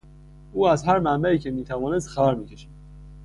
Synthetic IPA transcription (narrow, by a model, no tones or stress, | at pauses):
ʔuːæzhæɾmæmbæiːcʰe̞miːt̪ʰævɒːnes̬t̪xææɾmiːcʰe̞ʃæd̪̥